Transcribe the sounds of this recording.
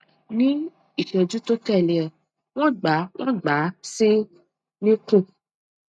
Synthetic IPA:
nĩ˦ | i˨ʃɛ̃˨d͡ʒu˦to˦tɛ˦˨le˨ɛ˨ | w̃ɔ̃˦ɡ͡ba˨˦w̃ʔɔ̃˦ɡ͡ba˨˦si˦ | nĩ˦kũ˦˨

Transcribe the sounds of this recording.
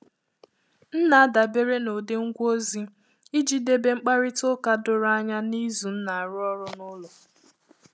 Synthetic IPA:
n̩˦na˨a˦da˨be˦ɾe˦no˨de˦ŋ̩˦ɡʷo˦zi˦ | i˦d͡ʒi˨de˨be˦ŋ͡m̩˦k͡pa˦ɾɪ˦tʊ˦ka˦dʊ˦ɾa˦ɲa˦ni˦zu˨n̩˦na˨a˨ɾʊ˦ɔ˦ɾʊ˦nʊ˦lʊ˨

